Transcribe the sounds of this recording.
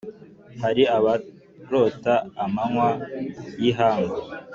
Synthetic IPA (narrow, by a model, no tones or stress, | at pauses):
haɾiaβa | ɾotaːmaŋwajiɦaːŋɡa